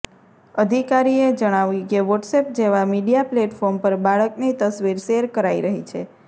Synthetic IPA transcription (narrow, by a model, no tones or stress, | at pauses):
əd̪ʱikaɾied͡ʒəɽ̃aʋĩkeʋɔʈsep̚d͡ʒeʋamiɖijapleʈfɔɾmpəɾbaɭəknit̪əsʋiɾʃeɾkəɾaiɾəɦḭt͡ʃʰe